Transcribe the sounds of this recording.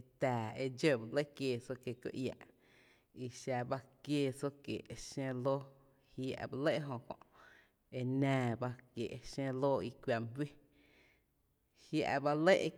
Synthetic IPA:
t̪aː˨e˧d͡ʒo˦˨ba˧le˦kjeː˧˨so˦kje˧˨kjo̰˧˦ʔja̰˧˨ʔ | i˧ʃa˧ba˦kjeː˧˨so˦kjḛ˨ʔʃẽ˦˧loː˦ | hja̰˧ʔba˧le˦ʔe˦ɦõ˧kõ̰˧˨ʔ | e˧nãː˧ba˦kje˨ʔe˧ʃẽ˦˧loː˦i˧kʷwja˧˨mhi˦ | hja̰˧ʔba˧le˦ʔ

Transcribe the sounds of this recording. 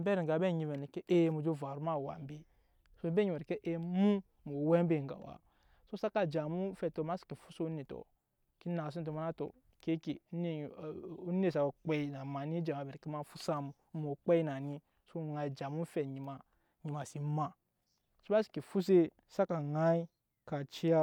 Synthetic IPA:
bɛ˦ɾi˨ɡa˨bɛ˦˨ɲi˨me˨ni˨ke˦ʔe˦mu˨d͡ʒo˦˨va˨ɾu˦ma˦˨wa̰˨m˦be˦ | so˦e˨˦be˦ɲi˨ɾi˨ke˦ʔe˦mu˦ | mo˨we˦m˦be˦˨ŋɡa̰˨wa̰˨ | so˦sa˦ka˨d͡ʒa˨mu˦fɛ˨to˨ma˦ski˨fu˦so˦ne˨to̰˨ | ki˦na˨si˦t̬o˨ma˦na˦to̰˨ | ke˦kḛ˨˦ne˨u˦ne˨sa˨o˨k͡pe˦i˨na˨ma˨ni˦d͡ʒa˨m˨a˨be˨ɾke˦ma˦fu˦sa˦m˨˦mo˨k͡pe˦i˦na˨ni˦ | so˦˨ŋa˨i˨d͡ʒa˨mu˦fɛ˨ɲi˨ma˨ | ɲi˨ma˨si˨˦ma˨ | so˦ma˦si̥˨ki˨fu˦s̬e˦ | sa˦ka˨ŋa˦i˦ | ka˨t͡ʃi˦a˦

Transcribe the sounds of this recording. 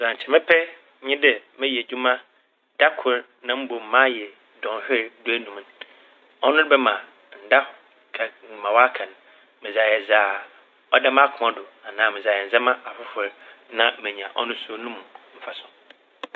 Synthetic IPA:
za˨ɲ̩˨t͡ɕʰɪ˨mɪ̃˦pʰɛ˦ | ɲɪ̃˦dɪ˨mɪ̃˦ji˨e˨d͡ʑᶣu˦mã˦ | d̥a˦kʰʊ˨˦ɾ | nã˦m̩˦bo˨m̩˨mã˦jɛ˨ | dɔ̃˨n˨hᶣɪ˦ɾdʊ˦æ˦nũ˨m̃˦n | ɔ˦nʊ̃˦ɾɪ˦bɛ˦mã˨ | n̩˨da˦ | kʰa˨n˨mã˨wa˦kʰã˨ñ˨ | mɪ̃˨za˨jɛ˨zaː˨ | ɔ˦dɛ˦m̃˦a˦kʰʊ˨mã˦dʊ˨a˨nãː˨mɪ̃˨za˨ɛ˨n̩˨zɛ˦mã˦ʔa˨fɪ˦fʊ˨ɾnã˦m̩˦mɛ̃˨ɲ˨ã˨ʔɔ̰˦nʊ̃˦so˦nũ˦mũ˨m̩˦fa˨sʊ̃˦

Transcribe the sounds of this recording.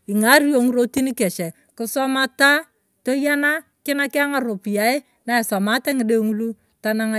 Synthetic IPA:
i˨ŋa˦ɾi˦jo˦ŋ˦ɾo˦ti˦ni˦kɛ˨ʃɛ˨ | kʊ˦sɔ˦ma˦ta˦ | to˦ja˦na˦kɪ˦na˦kɪ˦a˦ŋa˨ɾo˨pi˨ja˨˦e˦ | na˨e˨sɔ˨ma˦tɛ˦ŋɪ˦de˦ŋu˦lu˦ | ta˦na˦ŋa˨

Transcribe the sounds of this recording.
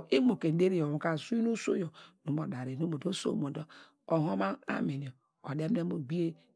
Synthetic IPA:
i˦mo˨ke˨n̩˦de˦ɾi˨jo˨m˨ka˦˨su˦i˦no˦so̰˦jo˨nu˦mo˨da˨ɾe˨nu˦mo˨do˦so̰˦˨mo˨do˦ | o˨ɦo˦ma˦a̰˦mi˨n˨o˨ | o̰˨de˦m˦e˦mo˦˨ɡ͡bi˦e˦

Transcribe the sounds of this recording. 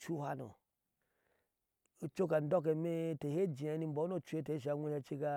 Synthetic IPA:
t͡ʃu˦ha̰˦no̰˨ | o˦t͡ʃo˦ka˨n̩˦do˦k̬e˨me˦te˨he˦d͡ʒi˨a˨˦ni˦m̩˦bo˨˦o˦˨t͡ʃu˦e˦te˨˦ʃ̬a˨˦ŋʷe˦ʃa˦t͡ʃi˦ka˦

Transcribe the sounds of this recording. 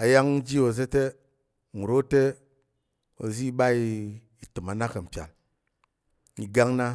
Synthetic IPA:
a˨ja˦ŋn̩˦d͡ʒi˦o˨ze˦te˦ | ŋu˨ɾo˦te˦ | o̰˨zi˦ɓa˦i˦˧ | i˨tɨ˨ma˨na˦kɐ˨m̩˨pʲa̰˨l | i˨ɡa˦ŋna˦

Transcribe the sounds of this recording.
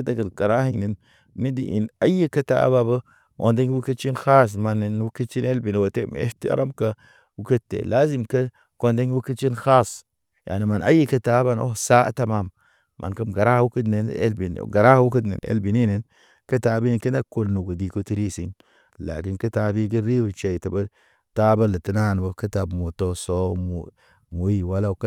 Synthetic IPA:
ta˨kə˨lka˨ɾa˦hi˦ŋni˨nː | i˦dḭ˨ʔḭ˨na˦jə˦kə˦ta̰˨a̰˦ba˨bə˦ | ʔo̰˨nde˦ŋ˦wu˦kə˦t͡ʃi˦nxa˦s̬ma˨nːe˨n˦wu˦ki˦t͡ʃi˦ne˦lbi˨n˨wo˨te˦m̰˨ḛ˦fti˦a̰ɾʔa˦mka˦ | wu˦kə˦tːḛ˨laː˦zi˦mkə˦ | ko˦˨nde˦ŋwu˦ki˦t͡ʃi˦nxa˦s | ja̰˨ni˨ma˨na̰˦jːi˦kə˦ta˨˦ba˦˨no̰˦sa˦a̰˦ta˨ma˦˨mː | ʔa̰˨nka˦mɡa˨ɾa˦hwu˦ki˦tne˨nḛ˦lbi˨n̰ɡa˨ɾa˦hwu˦kə˦tnḛ˨nḛ˦lbi˨ni˦ne˨n | kə˦ta˨bi˦n˨ki˦na˦ko˦lnu˨ɡu˨di˨ko˦ti˦ɾi˦si˦n | la̰˨ki˦nkə˦ta˦bi˦ɡi˦ɾi˦wu˨t͡ʃa˨i˨ta˨ba˦ | ta˦ba˦la˨ti˦na˦˨n˨bo˦kə˦ta˨bmo˨to˦so˦mṵ˨ | mu˨˦ji˦wa˦la˦k

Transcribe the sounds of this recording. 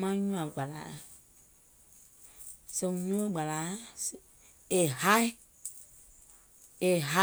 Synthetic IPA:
mã˦ɲũ˦ã˨ɡ͡ba˨la̰˨˦˨ | se˨ɲũ˦e˦ɡ͡ba˨la˨˦s | e˨ha˦i˦ | e˨ɦa˦

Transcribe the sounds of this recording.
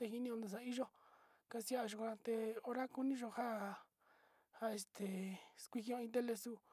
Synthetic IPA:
t̪e˧hi˧nĩ˧õ˧nd̪e˨s̬a˧˦i˦ʒo˦ | ka˧si˧a˦˧ʒu˧kʷã˧t̪e˧o˧ɾa˦ku˧nĩ˦ʒo˧ha˦˨ | ha˦˨e˧st̪ʰe˨skʷi˧hõ˧ĩ˧t̪̬e˦le˧su˦

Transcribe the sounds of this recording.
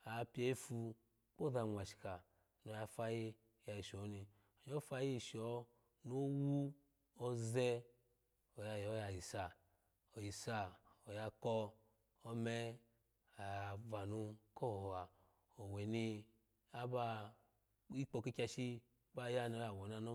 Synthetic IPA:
a˨˧pi˦e˧˦i˦fu˧ | k͡po˦da˧˨ŋʷa˨ʃi̥˨ka˨ | no˧˦ja˧fa˧ji˦ | ja˨˧ji˨ʃo˨˦ni˧ | o˨ɲo˦fa˧ji˦i˧˨ʃɔ˨˦ | no˦wu˦ | o˦zɛ˦ | o˨ja˧jɔ˨˦ja˧ji˨sa˨ | o˨ji˨sa˧o˨ja˧kɔ˦ | o˦mɛ˦ | a˨ja˧va˨nu˧ko˦˨hɔ˨a˨ | o˨we˨ni˧ | a˦ba˧ | i˦k͡po˧ki˦kʲa˧ʃi˦ | ba˦ja˦no˦ja˨wɔ˨na˧no˦

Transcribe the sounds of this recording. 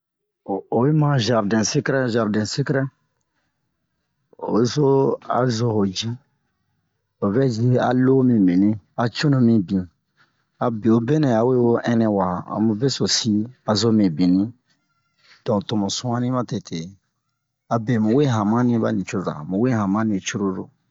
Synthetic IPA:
o˨o˨be˦mã˦ʒa˨ɾdɛ̃˨se˦kɾɛ˦ʒa˨ɾdɛ̃˨se˦kɾɛ˦ | o̰˨be˦so˦a̰˨zo˨ho˨d͡ʒi˦ | o˨vɛ˦d͡ʒi˦a̰˨lo˦mĩ˨mĩ˨nĩ˦a˨t͡ʃo˦nõ˨mĩ˨bĩ˨ | a˨bi˨o˨be˦nɛ̃˨a˨we˦wo˦ʔɛ̃˦nɛ̃˨wa˨ã̰˨mũ˨be˦so˨si˦a˨zo˦mĩ˨bĩ˨nĩ˦ | d̥ɔ̃˨to˨mõ˨sũ˦a˦nĩ˦mã˦tɛ˨tʰe˨ | a˨bɛ˨mũ˨we˦ɦã˨mã˦nĩ˦ba̰˦nĩ˨t͡ʃo˦za̰˨mũ˨we˦ɦã˨mã˦nĩ˨t͡ʃu˦ɾo˦do̰˨

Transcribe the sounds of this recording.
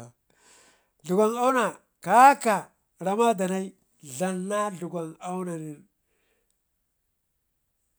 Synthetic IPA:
ɮu˨ɡʷa˨ŋa˦wna˨ | ka˦ka˨ | ɾa˨ma˦da˨na˦i˦ | ɮa˨nːa˦ɮu˨ɡʷa˨ŋa˦wna˨ni˨ɾ

